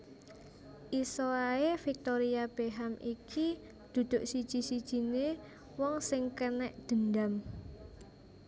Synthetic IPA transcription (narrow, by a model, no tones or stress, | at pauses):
ʔisoaefik̚t̪oɾiab̥eɦamiki | d̪̥ṳd̪̥ʊ̤ʔsid̥ʒ̥i̤sid̥ʒ̥i̤ne | wɔŋsɪŋkənɛʔd̪̥ə̤nd̪am